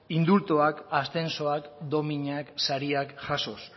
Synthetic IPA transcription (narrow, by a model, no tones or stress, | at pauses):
ind̪ult̪oakast̪e̞nso̞akd̪o̞miɲaksaɾiakʝaso̞s